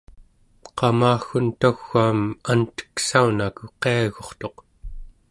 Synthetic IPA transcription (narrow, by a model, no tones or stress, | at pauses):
qɑmaːxunt̪axːaːmant̪ə̥ksaunakuqeaɣo̞χt̪o̞q